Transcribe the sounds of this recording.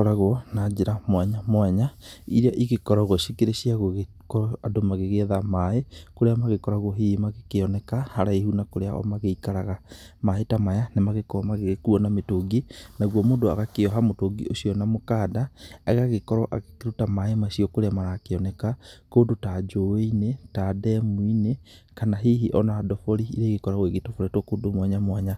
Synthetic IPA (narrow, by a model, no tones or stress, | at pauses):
ɔɾaɣwɔnad͡ʒeɾamwaɲamwɛɲaḭɾeaʔiɣekɔɾaɣwɔʃikeɾeʃiaɣɣ | kɔadomaɣeɣeðamaekoɾeamaɣekɔɾaɣwɔɦimaɣekeɔnɛkahaɾaehunakoɾeaʔɔ̰maɣeikaɾaɣamaetamajanemaɣekɔɔmaɣekuɔnametoɡinaɣwomoːndoa̰ɣakeɔɦamotoɡḭoʃijɔnamokaːdaaɣaɣekɔɾɔʔa̰ɣekeɾutamaemaʃiokoɾeamaɾaːkeɔnɛkakoːdotad͡ʒoweinetadɛmwine | kanaɦiɦiʔɔnadɔfoɾiḭɾeɣekɔɾaɣweɣetofoɾɛtwkodomwaɲamwaɲa